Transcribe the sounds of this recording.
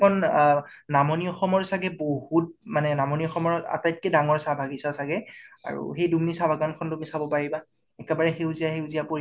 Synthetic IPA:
ɔn | namɔniɔxɔmɔɹsaɡɛbohut̚manɛnamɔniɔxɔmɔɹa̰tajt̚kedaŋɔɹsabʱaɡisasaɡɛa̰ɹṵxejdumnisabʱaɡɔnkʰɔndumnisabɔpaɹiba | ɛkɛbaɹɛxewzijaxewzijapoɹi

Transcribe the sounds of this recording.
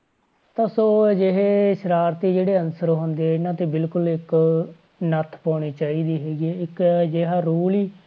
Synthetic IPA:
t̪aːsoːd͡ʒeɦeːʃəɾaːɾt̪iːd͡ʒeːɽeːənsəɾɦʊ̃nd̪eːɪnãːt̪eːbɪlkʊlɪk | nət̪ʰpaːɽ̃iːt͡ʃaːiːd̪iːɦɛːɡieːɪkd͡ʒeːɦaːɾuːliː

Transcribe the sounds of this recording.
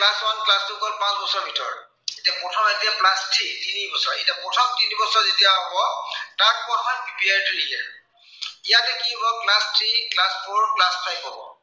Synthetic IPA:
plaswanplastukɔnpãsbɔsɔɹbʱitɔ̰ɹ | etiapɔtʰɔmetijaplastʰɹitinibɔsɔɹetiapɔtʰɔmtinibɔsɔɹzitijaɦɔbɔtak̚pɔtʰmanpɹipiaɹtuɹiɛ̰ | ijatɛkibɔklastʰɹiklaspʰoɹklaspʰajbɦɔbɔ̰

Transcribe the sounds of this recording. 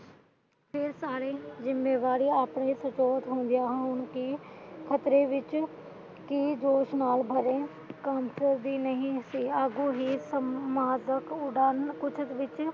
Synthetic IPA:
pʰɪɾsaːɾeːzɪmːeːʋaːɾiːaːpɳeːsət͡ʃɔːt̪ɦõːnd̪ɪjaːɦʊɳkɪkʰət̪ɾeːʋɪt͡ʃ | kid͡ʒoːʃnaːlbʱəɾẽː | kaːmsəɾd̪iːnəɦĩːsiːaːɡuːɦiːsəmaːd̪əkʊɖaːnkʊt͡ʃʰət̪ʋɪt͡ʃ

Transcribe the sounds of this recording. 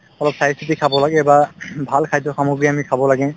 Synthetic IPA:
ɔlɔp̚sajisitikʰabɔlaɡɛbabʱalkʰajtɔxamuɡɹiamikʰabɔlaɡɛ

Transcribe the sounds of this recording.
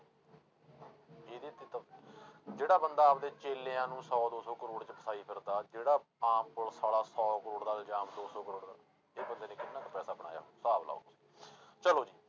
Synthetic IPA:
eːd̪ɪt̪iːt̪ə | d͡ʒeːɽaːbənd̪aːp̚d̪eːt͡ʃeːleːãːnũːsɔːd̪oːsɔːkəɾoːɽt͡ʃpəsaːiːpʰɪɾd̪aːd͡ʒeːɽaːãːmpʊlsaːɽaːsɔːkəɾoːɽd̪aːld͡ʒaːmd̪oːsɔːkəɾoːɽd̪a̰ːl | eːbənd̪eːnẽːkɪnːãːt̪əpɛːsaːbəɽ̃a̰ːja̰ːsaːbla̰ːo̰ː | t͡ʃəloːd͡ʒiː

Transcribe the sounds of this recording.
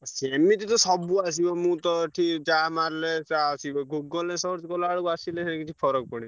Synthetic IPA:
semĩt̪it̪ɔsɔbuas̬ibɔmũt̪ɔʈʰid͡ʒamaɾlesasiɡuɡɔlẽsɔɾt̪ikɔlaɽukasilẽẽkiʈʰipʰɔɾɔk̚pɔɽĩ

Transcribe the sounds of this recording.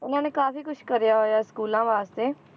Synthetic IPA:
ɪnãːneːkaːfiːkʊʃkəɾejaːɦoːjaːskuːlãːʋaːst̪eː

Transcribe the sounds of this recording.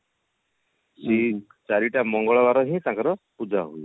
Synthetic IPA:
se | t͡ʃaɾiʈamɔŋɡɔɭɔbaɾɔɦĩt̪ãkɔɾɔpud͡ʒʱaɦui

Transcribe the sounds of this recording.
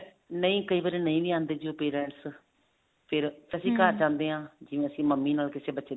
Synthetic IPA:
nəĩːkəiːbaːɾeːnəĩːʋiːãːnd̪eːd͡ʒioːpeːɾɛ̃ːʈs | pʰɪɾt̪əsĩːkəd͡ʒãːnd̪eːɦãːd͡ʒɪʋẽːəsĩːməmːiːnaːlkɪseːbətːʃeː

